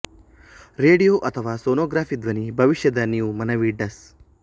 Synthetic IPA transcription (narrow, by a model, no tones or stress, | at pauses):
ɾeːɖijoːʔɐt̪ʰɐʋaːsoːnoːɡɾaːfʰid̪ʋɐnibʱɐʋiʃjɐd̪ɐniumɐnɐʋiːɖɐs